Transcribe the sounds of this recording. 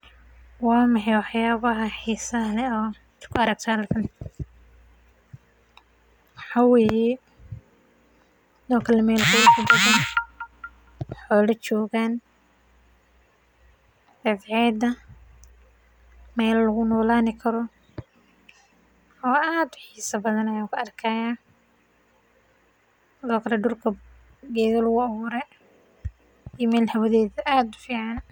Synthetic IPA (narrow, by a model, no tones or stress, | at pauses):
wɑːmɑħɛjwɑħjaːβɐɦɐħiːsɐlɛɔː | kʰʊɐɾɐɡ̚t̪ʰalkʰɐn | wɑħaːwɛːjɛ | nɔːkʰɐlɐmɛːlkʰʊlʊkʰʊb̪ɐɣɐn | wħɔːlɐt͡ʃɔːɣaːn | dɐdʕɛːd̪ɐ | mɛːllɐɣʊnɔːlaːnɪkʰɐɾɔ | ɔːaːd̪ħiːsɐbɐðɐnɐjaːkʰʊɐrkʰɐjaː | sɪðɔːkʰɐlɛɖʊrkʰɐ | ɡɛːðɐlʊɣʊɐβʊːɾɛ | ijmɛːlhɐwɐðɛːðɐʔaːd̪ʊ̥fiːʕɑn